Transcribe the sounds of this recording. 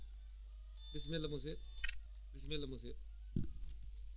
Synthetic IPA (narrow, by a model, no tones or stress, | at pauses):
t̪ɪsmẽlɐmõse | t̪ɪsmẽlɐmõse